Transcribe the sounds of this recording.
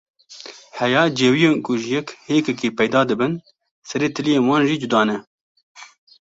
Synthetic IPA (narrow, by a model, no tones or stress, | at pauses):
hɛjɑːd͡ʒeːwijeːnkʰʊʒjɛkheːkɛkiːpɛjd̪ɑːd̪ɨbɨn | sɛɾeːt̪ʰɨlijeːnwɑːnʒiːd͡ʒʊd̪ɑːnɛ